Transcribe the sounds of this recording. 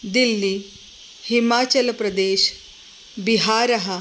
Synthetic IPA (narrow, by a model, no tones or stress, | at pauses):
d̪ilːiː | himaːt͡ɕəlpɾɐd̪eːɕ | biɦaːɾɐɦa